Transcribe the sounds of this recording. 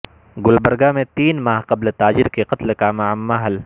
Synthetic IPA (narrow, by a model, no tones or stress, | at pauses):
ɡʊlbɐɾɡamẽt̪iːnmaːɦqɐblt̪aːd͡ʒɪɾkeqɐt̪lkaːmaəmːaɦɐl